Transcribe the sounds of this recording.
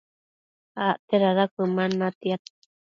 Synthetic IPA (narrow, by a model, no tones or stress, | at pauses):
aʔt̪eɾaðakɨmanat̪iat̪